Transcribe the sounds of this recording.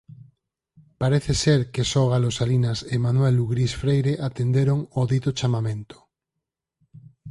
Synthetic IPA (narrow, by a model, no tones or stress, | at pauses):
paɾeθeseɾkesoɣalosalinasemanweluɣɾisfɾejɾeʔat̪end̪eɾoŋoðit̪ot͡ʃamamẽnt̪o̥